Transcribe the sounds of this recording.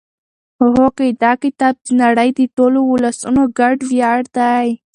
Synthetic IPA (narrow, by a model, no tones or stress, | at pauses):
oɦoked̪ɑkɪt̪ɑb̚d̪ənaɽəjd̪əʈolowʊlasunoɡaɖwjɑɽd̪aj